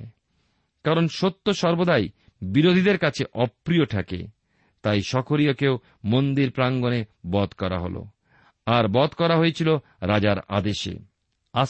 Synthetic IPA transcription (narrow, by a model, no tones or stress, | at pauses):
kaɾonʃot̪ːoʃɔɾbod̪aj | biɾod̪ʱid̪eɾkat͡ɕʰeʔɔpːɾioʈʰakḛ | t̪ajʃɔkʰoɾiokew | mond̪iɾpɾaŋɡonebɔd̪kɔɾa̰ɦo̰lo̰ | aɾbɔt̪kɔɾaɦojet͡ɕʰilo | ɾad͡ʑaɾa̰d̪eʃḛ | a